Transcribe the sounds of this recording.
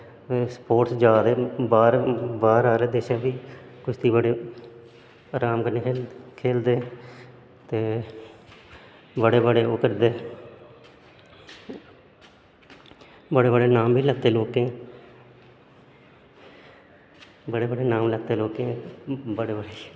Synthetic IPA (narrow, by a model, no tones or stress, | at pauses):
spoːʈsd͡ʒaːd̪eːbaːɾbaːɾaːɾeːd̪eːʃaːbiːkʊt͡ʃʰt̪ʰiːbəɽeː | ɾaːmkəneːkʰeːkʰeːld̪eː | t̪eː | bəɽeːbəɽeːʊkəɾd̪eː | bəɽeːbəɽeːnaːmbʱiːləɡt̪eːloːkẽː | bəɽeːbəɽeːnaːmləɡt̪eːloːkẽːbəɽeːbəɽeː